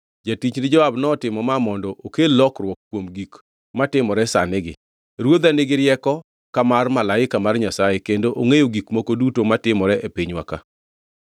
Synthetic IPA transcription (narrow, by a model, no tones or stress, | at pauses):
d͡ʒatit͡ʃnɪd͡ʒɔabnɔtɪmɔmamɔndɔʔokelɔkrwɔkːwomɡik | matɪmɔɾɛsa̰nɪɡɪ | ɾwod̪anɪɡɪɾjɛkɔ | kamarmalaɪkamarɲasajekendoʔoŋejoɡikmokodutomatɪmɔɾɛʔepiɲwa̰ka̰